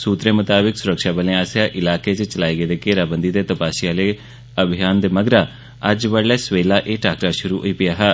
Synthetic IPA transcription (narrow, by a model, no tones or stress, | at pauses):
suːt̪ɾeːmət̪aːbɪksʊɾəkʃaːbəlẽːaːsjaːʔɪlaːkeːt͡ʃt͡ʃəlaːiːɡeːd̪eːkeːɾaːbənd̪iːd̪eːt̪əpaːʃɪjaːleː | əbʱɪjaːnd̪eːməɡɾaː | əd͡ʒʋəɽːɛːsʋeːlaːʔeːʈaːkɾaːʃʊɾuːɦo̰iːpɪjaːɦɛː